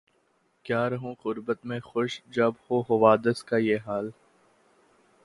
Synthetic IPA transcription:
kjaːɾɐɦũqʊɾbət̪mẽxʊʃd͡ʒɐbhoɦɐʋaːd̪əskajeːɦaːl

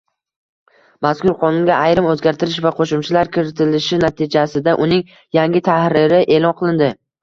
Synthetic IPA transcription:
maskʊɾqʰɒnʊŋɡʲaajɾɪmɵzɡʲaɾt̪ʰɪɾɪʃvaqʰoʃʊmt͡ʃʰɪlaɾkʲʰɪɾɪt̪ʰɪlɪʃɪnat̪ʰɪd͡ʒasɪd̪aʔʊnɪŋ | jaŋɡʲɪt̪ʰahɾɪɾɪʔe̞lˠɒnqʰɨlˠɪnd̪ɪ

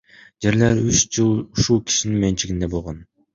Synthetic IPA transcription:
d͡ʒe̞ɾleɾyt͡ʃd͡ʒɯlˠuʃulˠkʲʰi̥ʃininment͡ʃʰiɡind̪e̞bolˠʁon

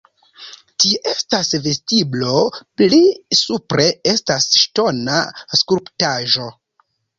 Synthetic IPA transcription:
tiʔestasve̞stiblo̞plisupɾʔe̞estasʃto̞naskulɾptaʒo̞

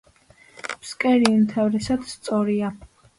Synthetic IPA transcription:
pskʼɛɾiumt̪ʰavɾɛsad̪st̪sʼɔɾia

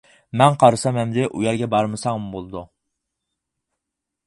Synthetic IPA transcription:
mɛnqʰɑɾɨsɑmɛmd̪ɪʔujɛɾɡʲɛbɑɾmɨsɑŋmubolˠɨd̪u

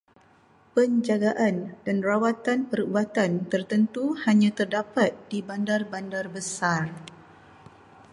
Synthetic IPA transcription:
pəɲd͡ʒaɡaʔandanrawat̪anpəɾubat̪ant̪ərt̪ənt̪uhaɲãt̪ərdapat̪̚d̥ibandarbandarbəsar

